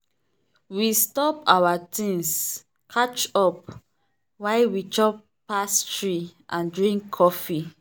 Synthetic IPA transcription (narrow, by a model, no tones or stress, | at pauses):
wistɔpawatʰĩns | kʰat͡ʃɔp̚ | waɪwit͡ʃɔpː | astɹiʔãndɹĩŋkʰːɔfi